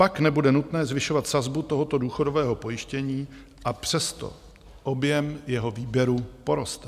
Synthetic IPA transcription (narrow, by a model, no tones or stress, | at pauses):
paknɛbudɛnut̪nɛːzvɪʃo̞vat̪sazbut̪o̞ɦo̞t̪o̞duːxo̞do̞vɛːɦo̞po̞jɪʃcɛɲiː | ʔapr̝̥ɛst̪o̞̰ | ʔo̞bjɛmjɛɦo̞viːbjɛɾupo̞ɾo̞st̪